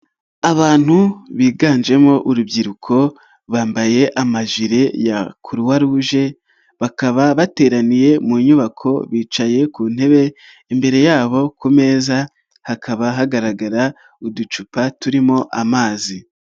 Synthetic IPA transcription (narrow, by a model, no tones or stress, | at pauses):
aβaːn̥huβiːɡaːnd͡ʒe̞mo̞ʔuɾubɟiɾukʰo̞ | βaːmbaje̞ʔamaʒiɾe̞jakʰuɾuwaɾuʒe̞ | βakaβaβate̞ːɾanije̞muɲuβakʰo̞βiːt͡ʃaje̞kuːn̥he̞βe̞ː | mbe̞ɾe̞jaːβo̞kume̞ːza | hakʰaβaɦaɡaɾaɡaɾa | udut͡ʃupatuɾimo̞ʔamaːzi